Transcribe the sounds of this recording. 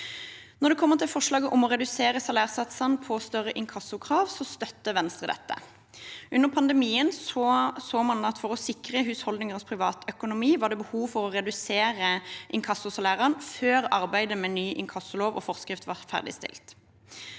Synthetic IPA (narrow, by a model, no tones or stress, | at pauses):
nɔʁd̪ɛkʰɔmːəʁt̪ʰɪlfɔʂlɑːɡəʔʊmɔʁɛd̪ʉseːʁəsɑlæːʁsɑt̪sɑnpʰɔst̪œʁəʔɪŋkʰɑsʊkʰʁɑːʋsɔst̪œt̪ːəʋɛnst̪ʁəd̪ɛ̰t̪ːə̰ | ʔʉnːəʁpʰɑnd̪əmiːənsɔsoːmɑnɑt̪fɔʁɔsɪkʁəɦʉːshɔld̪nɪŋəʁspʰʁɪʋɑːt̪œkʊnʊmiːʋɑːʁd̪ɛbəhuːʋfɔʁɔʁɛd̪ʉseːʁəʔɪŋkʰɑsʊsɑlæːʁəʁnføːʁɑʁbæɪd̪əmɛnyːʔɪŋkʰɑsːʊloːʋɔ̰fɔʁskʁɪft̪ʋɑʁfæ̰ʁd̪ɪ̰st̪ɪ̰lt̪